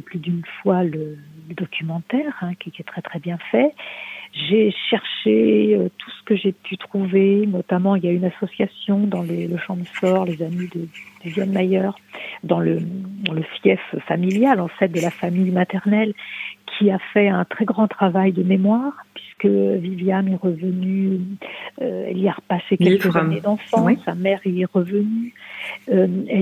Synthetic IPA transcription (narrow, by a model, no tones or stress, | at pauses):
plyd̪ynfwalələd̪ɔkʲʰymɑ̃t̪ɛʁɛ̃kʲikɛt̪χɛt̪χɛbjɛ̃fɛ | ʒeʃɛʁʃeøt̪ʰu̥sə̥kəʒepʰyt̪χuvenɔt̪amɑ̃iljaynasɔsjasjɔ̃d̪ɑ̃leləʃɑ̃d̪əsɔʁlezamid̪əd̪̥yvjɛnmajœːʁ | d̪ɑ̃ləɑ̃ləfjɛffamiljalɑ̃fɛt̪̚d̪əlafamijmat̪ɛʁnɛlkʲʰiafɛɛ̃t̪χɛɡʁɑ̃t̪χavajd̪əmemwaːʁpɥiskəviljamɛʁəvəny | øɛ̰liaʁəpasekʲɛlkəzned̪ɑ̃fɑ̃esamɛʁiɛʁəvənyøɛ